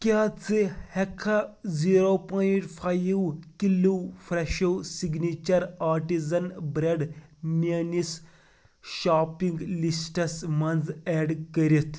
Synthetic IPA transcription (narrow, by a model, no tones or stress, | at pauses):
kjat͡sehɛkʰaziɾopɔiʈfʰajwkiluwfɾɛʃɐwsiɡnit͡ʃɐɾaːɾʈizɐnbɾeɖmenis | ʃaːpiŋɡlisʈɐsmɐnd͡zɛɖkəɾit̪ʰ